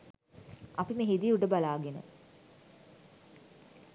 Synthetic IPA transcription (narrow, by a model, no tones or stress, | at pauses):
ʔapimeɦid̪iuʈəbalaːɡenə̰